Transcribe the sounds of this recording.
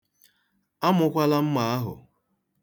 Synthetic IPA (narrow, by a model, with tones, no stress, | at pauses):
a˦mʊ˨kʷa˦la˦m̩˦ma˨a˦ɦʊ̰˨